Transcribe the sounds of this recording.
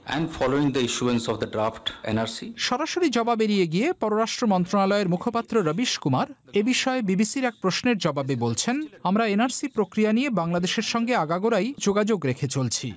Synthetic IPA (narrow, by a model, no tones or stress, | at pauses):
ɛ̰̃ɳɖfɔloĩŋd̪əiʃuẽnsɔfd̪əɖɾaːfʈḛnaɾsiʃɔɾaʃoɾid͡ʑɔbabeɾijeɡiepɔɾoɾaʃʈɾomɔnt̪ɾonalɔeɾmukʰopat̪ːɾoɾəbiʃkumaɾ | ebiʃɔebibisiɾɛk̚pɾosneɾd͡ʑɔbabebolt͡ɕʰenamɾaenaɾsipɾokɾijaniebaŋlad̪eʃeɾʃɔŋɡeaɡaɡoɾajd͡ʑoɡad͡ʑoɡɾekʰet͡ɕolt͡ɕʰḭ